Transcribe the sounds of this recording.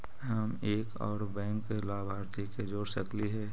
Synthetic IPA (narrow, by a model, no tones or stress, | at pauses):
ɦəmeːkɔ̰ːɾbɛ̃ːŋkːelaːbʱaːɾt̪iked͡ʒoːɾsəkliɦɛː